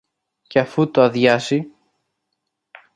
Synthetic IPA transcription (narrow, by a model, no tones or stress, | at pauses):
ceɐfut̪oɐðʝɐsi